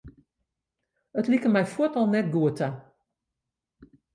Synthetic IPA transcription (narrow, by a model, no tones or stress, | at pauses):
ətlikəmɛjfuətɔlˠnɛt̚ɡuəta